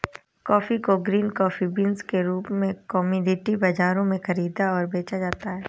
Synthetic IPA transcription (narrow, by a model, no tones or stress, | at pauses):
kɔːfikoɡɾiːnkɔːfibiːnzkeɾuːpmẽkɔːmjuːɖɪʈibɐd͡ʒaːɾõmẽxɐɾiːd̪aɔːɾbeːt͡ʃad͡ʒaːt̪aɦɛː